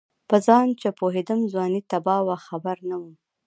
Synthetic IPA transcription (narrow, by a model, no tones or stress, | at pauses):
pəzɑnt͡ʃepoɦed̪əmzwɑnit̪abɑwaxabaɾnawum